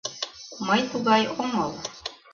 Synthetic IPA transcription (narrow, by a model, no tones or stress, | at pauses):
mɤjt̪uɡɑjomɤlˠ